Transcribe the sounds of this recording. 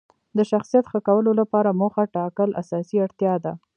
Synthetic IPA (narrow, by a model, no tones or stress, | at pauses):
d̪əʃaxsijat̪xəkawəlolapɑɾamoxaʈɑkəlʔa̰sɑsiaɽt̪jɑd̪a